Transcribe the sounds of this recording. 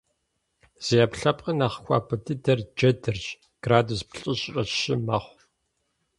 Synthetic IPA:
z̥eapɬɐpqʼənaːχxʷɑ̰ːpʰɨtʰɨdɐrd͡ʒɐdɨrt͡ʃ | ɡ̥raːduspɬʼɨɕʼrʼɐɕɪmɐχʷ

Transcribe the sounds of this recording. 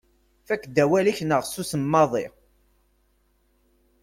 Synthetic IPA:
fækːd̪æwæliçnəʁsusəmːɑðˤi

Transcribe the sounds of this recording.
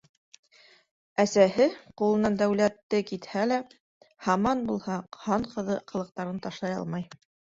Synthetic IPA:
æsæɦɘqulˠɤ̆nɑnd̪æwlæt̪ːɘkit̪hælæ | hɑmɑnbulˠhɑhɑɴqɤ̆ðɤqʰɤ̆lˠɤ̆q̚t̪ɑɾɤnt̪ɑʃlˠɑjɑ̰lˠmɑj

